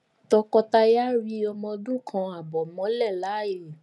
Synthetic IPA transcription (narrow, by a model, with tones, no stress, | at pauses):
tɔ˧kɔ˧ta˧ja˦ɾi˧˦ɔ˧mɔ̃˧dũ˦kʰã˧a˨bɔ˨mɔ̃˨˦lɛ˦˨la˨˦je˦˨